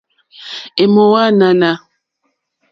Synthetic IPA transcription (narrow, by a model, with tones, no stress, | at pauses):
e˨mo˨wa˦na˦na˦